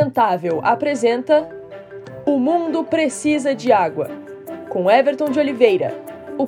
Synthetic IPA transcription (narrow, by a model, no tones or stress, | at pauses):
ẽnt̪avewʔa̰pɾezẽnt̪ɐ | ʊmũnd̪ʊpɾesizɐd͡ʒɪaɡwɐ̰ | kõɛveɾt̪õd͡ʒɪolivejɾɐ̰ʊ